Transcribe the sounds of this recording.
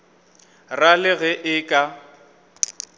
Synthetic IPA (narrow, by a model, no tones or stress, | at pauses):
ralɪɣɛʔɪkʼa